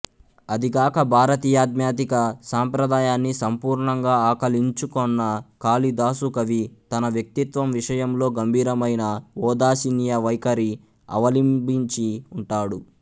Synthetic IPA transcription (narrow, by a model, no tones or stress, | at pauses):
ɐd̪iɡaːkɐbʱaːɾɐt̪iːjaːd̪̚mjaːt̪̬ikɐsaːmpɾɐd̪aːjaːnːisɐmpuːɾɳɐŋɡaːaːkɐliɲt͡ʃukɔnːɐkaːlid̪aːsukɐʋit̪ɐnɐʋjɐk̚t̪it̪ʋɐmʋiʂɐjɐmlo̞ːɡɐmbʱiːɾɐmɐjnɐɔːd̪aːsinjɐʋɐjkɐɾi | ɐ̰ʋɐlimbiɲt͡ʃiuɳʈaːɽu